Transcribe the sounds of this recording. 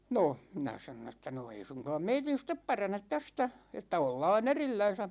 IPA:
no minæ sɑnon etːæ no ei suŋkɑːm meitin̞ step pɑrɑnet tæstæ etːæ olːɑːn erilːæn̞sæ

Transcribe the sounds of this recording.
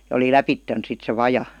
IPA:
jɑ oli læpitːen sit se ʋɑjɑ

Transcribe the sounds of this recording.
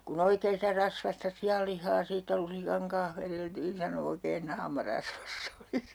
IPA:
kun oikeː sitæ rɑsʋɑstɑ siɑlːihˑɑː siːtːæ lusikɑŋ kɑnh ʋereltiːn sɑno oikeːn nɑːmɑ rɑsʋɑsː oli

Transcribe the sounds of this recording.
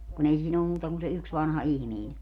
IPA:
kun ei siːn olːum muːtɑ kun se yks ʋɑnhɑ ihmiːn

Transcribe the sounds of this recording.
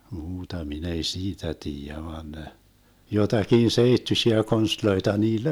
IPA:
muːtɑ min ei siːtæ tiːjæ ʋɑːn ne jotɑkin seitːyʃiæ konstloitɑ niːlː

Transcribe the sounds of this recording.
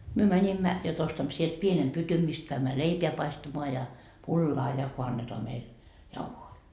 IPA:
myø mænʲimːæ jot ostɑmːo sielt pienem pytym mist kæymːæ leipeæ pɑistɑmoɑ jɑ pulːɑː jɑ ko ɑnːetoɑ meil jɑuhoi

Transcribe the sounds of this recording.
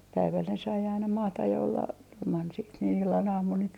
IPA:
pæiʋæl ne sɑi ɑinɑ mɑːtɑj jɑ olːɑ ilmɑn siːt niːn ilːɑn ɑːmun niːt

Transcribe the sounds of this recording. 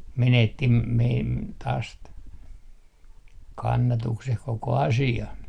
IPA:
menetːi meim tɑːs t kɑnːɑtukseh koko ɑsiɑ

